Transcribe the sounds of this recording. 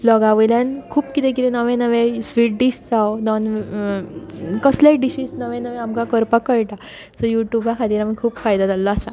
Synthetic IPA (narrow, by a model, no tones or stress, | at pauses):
blɔɡaʋəjlankʰuːpkit̪ẽk̬it̪ɛnəʋẽnəʋẽsʋiʈ̚ɖiɕd͡zawnɔn | kəslaɖiɕiːsnəʋẽnəʋẽamkãkəɾpakəɭʈa | səjuʈjubʱakʰat̪iːɾamikʰuːpfajd̪ad͡zalːɔasa